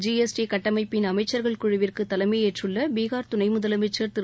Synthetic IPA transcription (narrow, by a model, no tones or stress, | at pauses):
d͡ʒiesʈikɐʈːɐmɐɪpːɪnɐmɐɪt͡ʃːɐɾɣɐɭkʊɻɪʋɪrkɯt̪ːɐlɐmeːeːʈrɯɭːɐbiːɣaːɾt̪ʊnɐɪmʊðɐlɐmɐɪt͡ʃːɐːɾt̪ɯ